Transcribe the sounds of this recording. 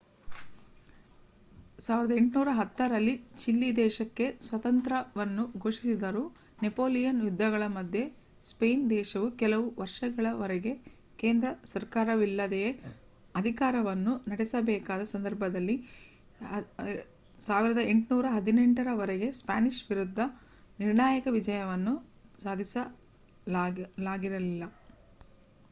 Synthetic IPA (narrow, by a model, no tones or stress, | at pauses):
saːʋiɾɐd̪ɐeɳʈnuːɾɐɦɐt̪ːɐɾɐlːit͡ʃilːid̪ɛːʃɐkːe̞sʋɐt̪ɐnt̪ɾɐʋɐnːuɡʱoːʂisid̪ɐɾuː | nepoːlijɐnjud̪ːɐɡɐɭɐmɐd̪ʱje̞ | spejnd̪ɛːʃɐʋukɛlɐʋuʋɐɾʂɐɡɐɭɐʋɐɾɛɡe̞ | ke̞ːnd̪ɾɐsɐɾkaːɾɐʋilːɐd̪eje | ɐd̪ʱikaːɾɐʋɐnːunɐɽɛsɐbɛːkaːd̪ɐsɐnd̪ɐɾbʱɐd̪ɐlːi | saːʋiɾɐd̪ɐe̞ɳʈnuːɾɐɦɐd̪ineɳʈɐɾɐʋɐɾeɡe̞spa̰ːniʃʋiɾud̪ʱːɐ | niɾɳaːjɐkɐʋid͡ʒɐjɐʋɐnːu | saːd̪ʱisɐ | laːɡiɾɐlilːɐ